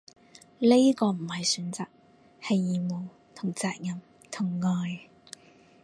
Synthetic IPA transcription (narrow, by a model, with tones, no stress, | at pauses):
le˥kɔː˧m̩˨˩hɐ˨jsyː˨˥nt͡saː˨k̚ | hɐ˨jːiː˨mo˨w | t̪ʰʊ˨˩ŋt͡saː˨˧k̚jɐ˨m | t̪ʰʊ˨˩ŋːɔː˨j